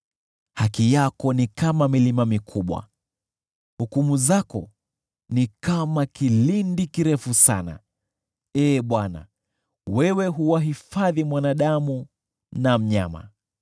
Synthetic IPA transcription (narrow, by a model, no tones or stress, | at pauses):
hakijakɔnikamamilimamikʰuɓwa̰ | hukumuzakɔ̰ | nikamakilindikiɾɛfusana̰ | ɛːɓwana̰ | wɛwɛɦuwaɦifaðimwanaɗamu | nam̩ɲa̰ma̰